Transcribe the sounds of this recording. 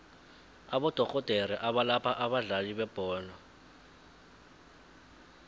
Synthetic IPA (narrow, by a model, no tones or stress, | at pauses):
aɓɔd̥ʱɔkɔd̥ʱeriʔaɓalapʰaʔaɓaɮaliɓɛb̥ʱɔːnɔ